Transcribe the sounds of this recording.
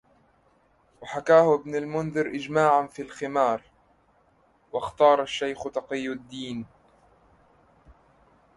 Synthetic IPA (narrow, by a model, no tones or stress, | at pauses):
waħakaːhʊʔɪbnalmʊnðɨɾʔɪd͡ʒmaːʕanfiːlxɪmɑːɾˤ | wɑxt̪ɑːɾˤaʃːajxt̪ɑqɪjːʊd̪ːiːn